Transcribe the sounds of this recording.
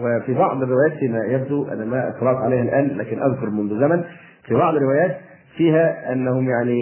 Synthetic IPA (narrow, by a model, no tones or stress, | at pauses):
wɪfibɑʕd̪ˤɪrːɪwæːjæːt̪ːinæjæb̚d̪uʔæ̰næmæʔɑ̰t̪ːɑlɑːʔq̪ʕalejhælʔæːnlæːkɪnʔæðkʊɾˤmʊnðʊzæmæn | fibɑʕd̪ˤɾːɪwæːjæːt̪ | fiːɦæʔænːæhʊmjaʕni